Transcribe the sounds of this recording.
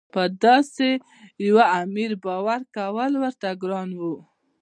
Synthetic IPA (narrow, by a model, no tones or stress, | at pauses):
pəd̪ɑse | jawaamiɾbɑwaɾkawəlwəɾt̪aɡɾɑnwu